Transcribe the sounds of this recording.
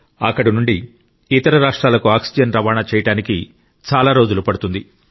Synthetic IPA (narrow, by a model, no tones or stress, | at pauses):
ɐ̰kːɐɽinuɳɖi | it̪ɐɾɐɾaːʂʈɾaːlɐkuaːksid͡ʒɐnɾɐʋaːnaːt͡ʃɛːjɐʈaːniki | t͡ʃaːlaːɾo̞ːd͡ʒulupɐɽut̪und̪i